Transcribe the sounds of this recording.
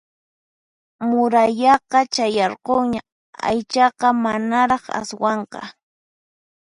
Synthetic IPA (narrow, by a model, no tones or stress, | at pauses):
mʊɾaʎɑqɑt͡ʃajɑɾqoŋɲa | a̰jt͡ʃɑqɑmanaɾɑχa̰swɑɴqɑ̰